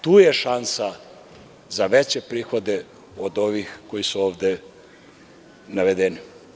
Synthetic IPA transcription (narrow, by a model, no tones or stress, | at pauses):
t̪uːjeʃansa | zaʋet͡ɕe̞pɾiːxo̞d̪e | od̪o̞ʋixkojisuoːʋd̪e | naʋed̪eni